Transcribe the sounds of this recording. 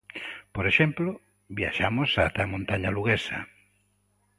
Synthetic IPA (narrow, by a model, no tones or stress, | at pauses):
poɾeʃemplo | bja̰ʃamosat̪amõnt̪aɲaluɣesa̰